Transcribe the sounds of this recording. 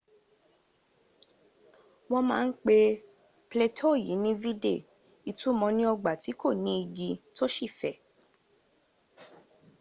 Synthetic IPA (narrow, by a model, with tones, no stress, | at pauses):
wɔ̃˧mãː˦˧n̩˦k͡pe˧ | ple˧tʰo˦˨ji˨˦nĩ˦vi˦dḛ˦˨ | i˧tu˦mɔ̃˧nĩ˦ɔ˧ɡ͡ba˨ti˨˦ko˦˨nĩ˨˦i˧ɡi˧to˦ʃi˦˨fɛ˨˦˨